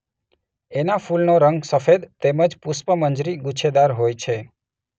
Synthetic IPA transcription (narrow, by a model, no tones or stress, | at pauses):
enafulnoɾəŋɡsəfed̪t̪eməd͡ʒpuspəməɲd͡ʒɾiɡut͡ʃʰed̪aɾɦojt͡ʃʰe